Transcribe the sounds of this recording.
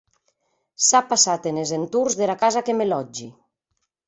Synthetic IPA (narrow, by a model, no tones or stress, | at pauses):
sapasat̪enezent̪uɾzðelakazakemelɔd͡ʒi